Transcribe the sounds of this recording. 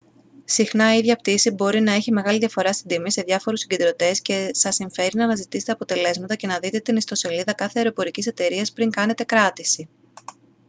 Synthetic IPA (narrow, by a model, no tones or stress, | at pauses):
sixnɐiðʝɐpt̪isibo̞ɾinɐe̞çime̞ɣɐliðʝɐfo̞ɾɐst̪ind̪imise̞ðʝɐfo̞ɾusiɲɟend̪ɾo̞t̪e̞sce̞sɐsiɱfe̞ɾinɐmɐzit̪iset̪eɐpot̪e̞le̞zmɐt̪ɐce̞nɐðit̪e̞t̪inist̪o̞se̞liðɐkɐθeɐeɾo̞po̞ɾicise̞t̪e̞ɾiɐspɾiŋkɐne̞t̪e̞kɾɐt̪isi